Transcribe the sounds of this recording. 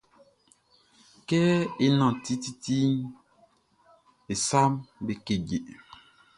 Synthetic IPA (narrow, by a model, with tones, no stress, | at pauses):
kɛ˦e˦nã˨ti˦ti˦ti˦n | e˨sa˦mbe˨ke˨ɟe˨